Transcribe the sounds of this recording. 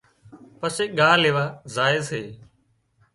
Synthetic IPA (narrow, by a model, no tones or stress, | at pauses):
pəseːɠaːleːʋaːzaːɪːseː